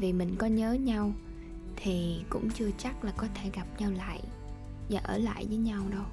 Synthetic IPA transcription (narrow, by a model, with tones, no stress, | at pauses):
vi˨˩mï˨˩ŋ̟kɔ˨˦ɲəː˨˦ɲa˧w | t̪ʰi˨˩kʊ̰˧˥ŋ͡mt͡ɕɨ˧ət͡ɕa˦˥k̚laː˨˩kɔ˨˦t̪ʰe˧˩ɣa˨˩p̚ɲa˧wla̰ː˧˨j | vaː˨˩ʔəː˧˩la̰ː˧˨jvəː˨˦jɲa˧wɗə˧w